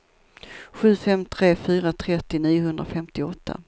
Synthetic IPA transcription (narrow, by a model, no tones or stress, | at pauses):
ɧʉ̟ːfɛmt̪ʰɾeːfyːɾat̪ʰɾɛt̪ːɪniːjʊhɵnd̪ɾafɛmt̪ɪɔt̪ʰːa̰